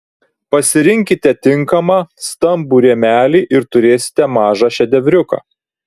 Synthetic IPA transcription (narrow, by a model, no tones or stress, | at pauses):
pɐsʲɪɾʲɪŋʲkʲɪt̪ʲɛt̪ʲɪŋkɐmɑːst̪ɐmbuːɾʲeɛmʲæːlʲiːʔɪɾt̪ʊɾʲeːsʲɪ̥t̪ʲɛmɑːʒɑːʃʲɛd̪ʲɛʋʲɾʲʊkɑ̰ː